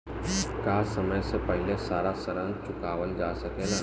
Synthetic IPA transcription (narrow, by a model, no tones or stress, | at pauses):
kaːsɐməjsepɛɦɪlesaːɾasəɾə̃nt͡ʃʊkaːʋəld͡ʒaːsɐkeːla